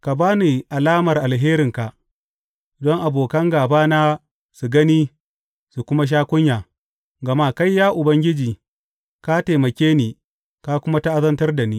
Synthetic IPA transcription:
ka˨baː˦ni˨ʔa˨laː˦mɐ˨rʔa˨lɦeː˦ɾɪ˨ŋka˨ʔ | dɔ˦ŋʔa˨boː˨kɐ˦ŋɡaː˨baː˦na˦ | su˨ɡɐ˦ni˦ | su˨kʷʊ˦ma˦ʃ̬aː˦kʷʊ˦ɲjaː˨ | ɡɐ˨maː˦ka˦jːaː˦ʔʊ˨bɐ˦ŋɡʲɪ˦d͡ʒiː˨ | ka˦te˨mɐ˨kʲeː˦niː˨ | ka˦kʷʊ˦ma˦ta˦ʔa˦zɐ˦ntɐ˦rda˨niː˦

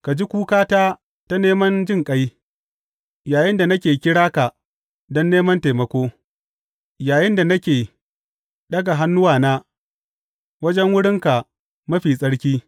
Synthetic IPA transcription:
ka˨d͡ʒi˦kʷuː˦kaː˦taː˦ | ta˦neː˦mɐ˦nd͡ʒɪ˦˨ŋkʼa˦j | jaː˨jɪ˦nda˨nɐ˦kʲeː˨kʲɪ˦ɽaː˦ka˨ | dɔ˦nːeː˦mɐ˦nteː˨mɐ˨kʷoː˦ | jaː˨jɪ˦nda˨nɐ˦kʲeː˨ | ɗɐ˦ɡa˨ɦa˦nːʊ˦waː˨naː˦ | wɐ˦d͡ʒɛ˦ŋwʊ˦ɽɪ˦ŋka˨ | mɐ˦ɸiː˨sʼɐ˦ɽkʲiː˦

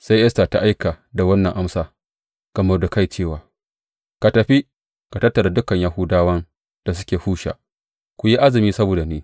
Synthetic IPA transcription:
sa˦jʔɛ˦sta˨ta˦ʔa˦jka˨ | da˨wɐ˦nːɐ˨ŋʔa˦msaː˦ | ɡ̥ɐ˨mɐ˦rda˨ka˦˨jt͡ʃeː˦˨waː˨ | ka˨tɐ˨ɸi˦ | ka˨tɐ˦tːɐ˨ɾa˨dʊ˦kɐ˨ɲja˦ɦʊ˦daː˦wɐ˦n | d̥a˨s̬ʊ˦kʲeː˨huː˦ʃa̰˨ | kʷʊ˨ji˦ʔa˦zɪ˨miː˦sɐ˦boː˨da˨neː˦

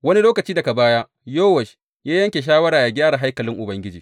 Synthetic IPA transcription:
wɐ˦ni˦loː˦kɐ˨t͡ʃiː˦dɐ˨ka˨baː˦jaː˦ | joː˦wɐ˨ʃ | jaː˦jɐ˦ŋkʲe˨ʃ̬aː˦wɐ˦ɾaː˨ja˨ɡʲaː˦ɽa˨ɦa˦jkɐ˨lɪ˦ŋʔʊ˨bɐ˦ŋɡʲɪ˦d͡ʒiː˨

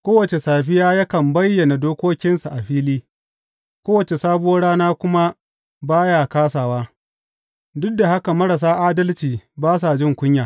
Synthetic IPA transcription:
kʷoː˦wɐ˨t͡ʃe˨saː˨ɸɪ˦jaː˦ja˦kɐ˨mbɐ˦jːɐ˨na˨doː˦kʷoː˦kʲɪ˦nsa˨ʔa˨ɸiː˦liː˦ | kʷoː˦wɐ˨t͡ʃe˨saː˦bʊ˦oː˦ɽaː˦naː˦kʷʊ˦ma˦ | baː˦ja˦˨kaː˦saː˨waː˦ | dʊ˦dːa˨ha˦ka˨mɐ˦ɾa˨s̬aː˦ʔaː˦dɐ˦lt͡ʃiː˨baː˦s̬a˨d͡ʒɪ˦˨ŋkʷʊ˦ɲjaː˨

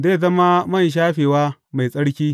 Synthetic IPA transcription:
zeː˦˨zɐ˦ma˦mɐ˦˨nʃ̬aː˦ɸeː˨waː˦ma˨jsʼɐ˦ɽkʲiː˦

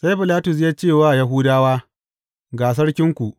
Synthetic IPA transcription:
sa˦jɸɪ˨laː˦tʊ˨s̬ja˦t͡ʃeː˦˨waː˦˨ja˦ɦuː˦daː˦waː˦ | ɡaː˨s̬ɐ˦ɽkʲɪ˦ŋkʷu˨ʔ

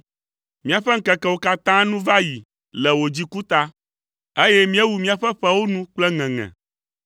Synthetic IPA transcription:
mĩ˦a˨ɸɛ˦ŋ̩˦kɛ˨kɛ˦wo˦ka˦t̪ã˦nũ˦va˦ji˨ | lɛ˨wo˨d͡ʑi˦ku˦t̪a˦ | e˦jɛ˦mĩ˦ɛ˦wu˨mĩ˦a˨ɸɛ˦ɸɛ˦wo˦nũ˦k͡plɛ˦ŋɛ̃˨ŋɛ̰̃˨

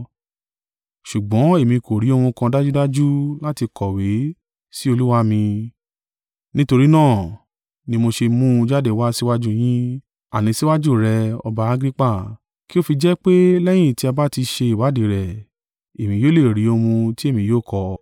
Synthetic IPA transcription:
ʃu˨ɡ͡bɔ̃˨˦e˦˨mĩ˧kʰo˨ɾi˨˦o˧hũ˧kã˧da˦d͡ʒu˦da˦d͡ʒu˦la˦ti˧kɔ˨we˨˦ | si˦o˧lu˦wa˦mĩ˧ | nĩ˦to˧ɾi˦nãː˦˨ | nĩ˧mo˧ʃe˧mũ˦˧d͡ʒa˦de˦˨wa˦si˦wa˦d͡ʒu˦j̃ĩ˦ | a̰˨nĩ˨˧si˦wa˦d͡ʒu˦˨ɾɛ˧ɔ̰˧ba˧˦a˦ɡɾi˦k͡pa˦˨ | ki˦o˦˨fi˧d͡ʒɛ˦k͡pe˦lɛ˦j̃ĩ˦˨ti˦a˧ba˦ti˧ʃe˧i˨wa˨˦de˨ɾɛ˨ | e˨mĩ˧joː˦le˦˨ɾi˨˦o˧mũ˧ti˦e˦˨mĩ˧joː˦˨kɔ˨

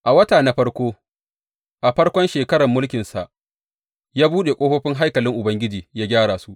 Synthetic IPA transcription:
ʔa˨wɐ˦taː˨na˦ɸɐ˦ɽkʷoː˦ | ʔa˨ɸɐ˦ɽkʷɔ˦nʃeː˨kɐ˦ɽɐ˨mːʊ˦lkʲɪ˨nsa̰˨ʔ | jaː˦buː˦ɗe˨kʷʼoː˦ɸɐ˦ɸɪ˦ŋɦa˦jkɐ˨lɪ˦ŋʔʊ˨bɐ˦ŋɡʲɪ˦d͡ʒiː˨jaː˦ɡʲaː˦ɽaː˨su˦ʔ

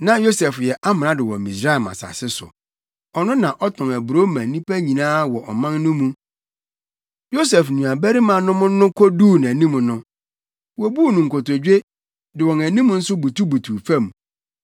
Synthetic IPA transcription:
nã˦jo˦sɛ˨fjɛ˨ʔa˦mɪ̃˨nã˦dɪ˨wɔ̰˨mĩ˨sɾa˦ɛ˨ma̰˨sa̰˨sɪ˦sʊ̰˨ | ɔ˨nʊ̃˦nã˨ʔɔ˦tʰɔ̃˨ŋæ˨bu˨ɾo˦mã˨nĩ˦pʰæ˦ɲĩ˨nãː˦wɔ˨ʔɔ˨mã˦nnʊ̃˦mũ˦ | jo˦sɛ˨fnũ˨a˨bæ˦ɾi˦mã˨nʊ̃˦mʊ̃˦nʊ̃˦kʰɔ˦duː˦˨n˨æ˨nĩ˦mũ˨nʊ̃˦ | wo˨bu˦˨nʊ̃˨ŋ̩˨kʰo˨to˨d͡ʑᶣe˦ | dɪ˨wɔ̃˨næ˨nĩ˦m˦n̩˦sʊ˦bu˨tu˦bu˨tʰu˨fã˦˨m˨

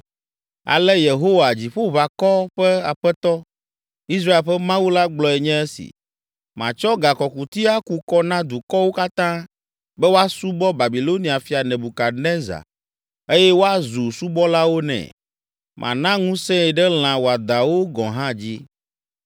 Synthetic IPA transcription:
a̰˨lɛ˦je˨ɦo˦wa˨d͡ʑi˨ɸo˦βa˨kɔ˦ɸɛ˦a˨ɸɛ˦t̪ɔ˦ | i˦s̬ɾa˦e˨lɸɛ˦mã˦wu˦la˦ɡ͡blɔ˨ɛ˨ɲɛ̃˦ɛ˦sḭ˨ | mã̰˨t͡ʃɔ˦ɡa˨kɔ˨ku˨t̪i˦a˦ku˨kɔ˦nã˦d̪u˨kɔ˦wo˦ka˦t̪ã˦ | bɛ˦wo˦a˦su˦bɔ˦ba˨bi˨lo˦nĩ˨a˨fi˨a˨nɛ̃˨bu˨ka˨nɛ̃˦za̰˨ | e˦jɛ˦wo˦a˦zu˨su˦bɔ˦la˦wo˦nɛ̰̃˨ | mʔã̰˨nã˦ŋũ˦sɛ̃˦ɛ˨ɖɛ˦l̃ã˨wo˨a˨d̪a˨wo˦ɡɔ̃˨ɦã˦d͡ʑi˦

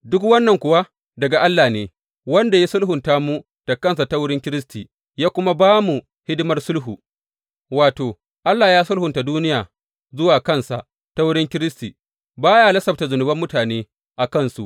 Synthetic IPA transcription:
dʊ˦kwɐ˦nːɐ˨ŋkʷʊ˨wa˦ | dɐ˨ɡa˨ʔa˦lːaː˨neː˦ | wɐ˦nda˨ji˦sʊ˦lɦʊ˨nta˦mu˦ | d̥ɐ˨kɐ˦˨ns̬a˨ta˦wʊ˦ɽɪ˦ŋkʲɪ˦ɾɪ˦stiː˨ | jaː˦kʷʊ˦ma˦baː˦mu˨ | hɪ˦dʊ˦mɐ˦rsʊ˦lɦuː˨ | waː˨toː˨ | ʔa˦lːa˨jaː˦sʊ˦lhʊ˨nta˨duː˦nɪ˦jaː˨ | zʊ˦waː˨kɐ˦˨nsa˨ | ta˦wʊ˦ɽɪ˦ŋkʲɪ˦ɾɪ˦sti˨ | baː˦jaː˦lɐ˦sɐ˨bta˨zʊ˨nʊ˨bɐ˦mːʊ˦taː˨neː˦ | ʔa˨kɐ˦˨nsu˨ʔ

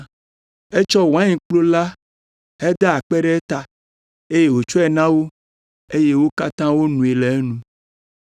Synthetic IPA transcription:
e˦t͡ʃɔ˦wã˦ɲĩ˨k͡plo˦la˦ | he˦d̪a˦a˨k͡pɛ˦ɖɛ˦ɛ˦t̪a˨ | e˦je˦wo˨t͡ʃɔ˦ɛ˨nã˦wo˦ | e˦je˦wo˦ka˦t̪ã˦wo˦nũ˨e˨le˨e˦nũ˨

